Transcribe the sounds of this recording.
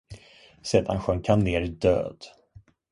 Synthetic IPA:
sɛt̪ha̰nɧœŋkʰanneːɾd̪ø̰ːd̪̥

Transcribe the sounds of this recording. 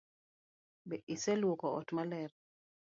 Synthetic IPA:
bɛʔisɛlwokɔɔ̰tmalɛr

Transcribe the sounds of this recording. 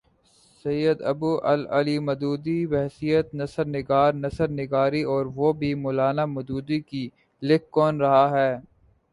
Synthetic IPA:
sɐjəd̪ɐ̰buʔɐ̰lɐ̰limɐd̪uːd̪iʋɛɦsijət̪nɐsəɾnɪɡaːɾnɐsəɾnɪɡaːɾiɔːɾʋobʱimʊːlaːnamɐd̪uːd̪iki | lɪkːɔːnɾɐɦaɦɛː

